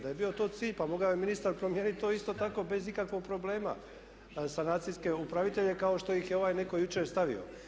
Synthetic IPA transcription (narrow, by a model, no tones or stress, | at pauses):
d̪ajebio̞t̪o̞ːt̪siːʎpamo̞ɡaeminist̪aɾpɾomje̞ːnit̪̚t̪oːist̪o̞t̪ako̞be̞zikakʋo̞ɡ̚pɾo̞ble̞ːma̰ | sanaːt̪siske̞upɾaʋit̪e̞ʎe̞kao̞ʃt̪o̞jixjeo̞ʋajne̞ko̞jut͡ʃeːɾst̪aʋḭo̰